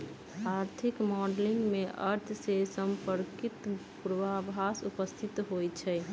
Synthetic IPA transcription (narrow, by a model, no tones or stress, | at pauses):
aɾt̪ʰikmɔɖliŋɡmeʔəɾt̪ʰsesəmpəɾkit̪puɾʋabʱasupəst̪ʰit̪ɦojt͡ʃʰɛ